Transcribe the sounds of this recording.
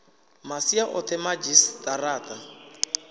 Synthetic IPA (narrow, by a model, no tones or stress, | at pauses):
masiaʔɔt̪ʰɛmad͡ʒistaraːta